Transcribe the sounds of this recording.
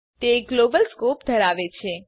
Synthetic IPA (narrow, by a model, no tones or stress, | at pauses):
t̪eɡlobəlskopd̪ʱəɾaʋet͡ʃʰe